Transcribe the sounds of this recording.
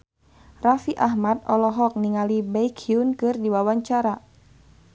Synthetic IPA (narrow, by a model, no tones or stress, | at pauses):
rafiʔaɦmat̪̚ɔlɔɦɔk̚niŋalibaikʰiunkɨrdiwawaɲt͡ʃaɾa